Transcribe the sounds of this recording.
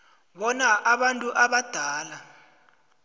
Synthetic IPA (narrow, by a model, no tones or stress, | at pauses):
ɓɔnaʔaɓantʼuʔaɓad̥ʱaːla